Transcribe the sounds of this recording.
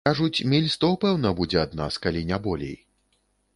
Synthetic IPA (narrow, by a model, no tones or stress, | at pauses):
kaʐut͡sʲmʲilʲst̪ɔpɛwnɐbud͡zʲɛad̪na̰skalʲinʲabɔlʲḛj